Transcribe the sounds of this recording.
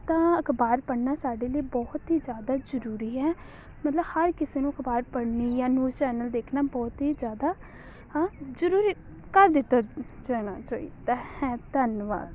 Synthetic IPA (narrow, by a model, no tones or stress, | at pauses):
t̪ãːəkʰbaːɾpəɽnaːsaːɖeːliːbɔːt̪ɦiːd͡ʒjaːd̪aːzəɾuːɾiːɦɛː | mət̪ləbhəɾkɪseːnũəkʰbaːɾpəɽniːjãːnuːt͡ʃɛːnəld̪eːkʰnaːbɔːt̪ɦiːd͡ʒjaːd̪aː | zəɾuːɾiː | kəɾd̪ɪt̪ːaːd͡ʒɛːɽaːt͡ʃɔːḭːt̪ãhɛ̃ːt̪ənʋa̰ːl